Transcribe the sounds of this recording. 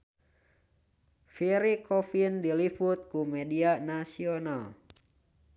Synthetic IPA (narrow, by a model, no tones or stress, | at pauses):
fiɾikʰɔfindilifut̪̚kumɛdianasiɔnal